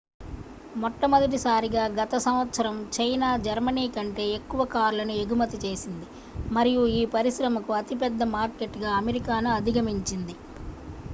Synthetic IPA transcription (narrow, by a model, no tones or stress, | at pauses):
mɔʈːɐmɐd̪ɐʈ̬isaːɾiɡaːɡɐt̪ɐsɐmʋɐt̪sɐɾɐmt͡ʃɐjnaːd͡ʒɐɾmɐniːkɐɳʈe̞ːekːuʋɐkaːɾlɐnueɡumɐt̪it͡ʃe̞ːsind̪i | mɐɾijuiːpɐɾiʃɾɐmɐkuɐt̪ipɛd̪ːɐmaːɾkeʈːɡaːɐmeɾikaːnuɐd̪ʱiɡɐmiɲt͡ʃind̪i